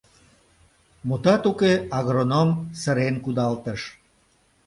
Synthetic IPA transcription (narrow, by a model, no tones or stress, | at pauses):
mut̪ɑt̪ukeɑɣɾonomsəɾenkud̪ɑlt̪əʃ